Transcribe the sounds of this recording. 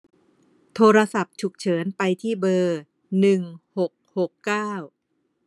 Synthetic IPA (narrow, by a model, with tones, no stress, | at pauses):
t̪ʰoː˧ɾa˧sa˨˩p̚t͡ɕʰu˨˩k̚t͡ɕʰɤː˩˦npa˧jt̪ʰiː˥˩bɤː˧ | nɯ˨˩ŋho˨˩k̚ho˨˩kːaː˥˩w